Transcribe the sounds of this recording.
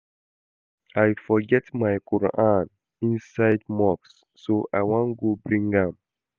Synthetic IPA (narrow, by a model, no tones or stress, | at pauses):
ajfɔɡɛtmajkʰɔɹ̰ʔãn | ĩnsaɪdmɔksː | oʔa̰jwãnɡobɹĩŋɡãm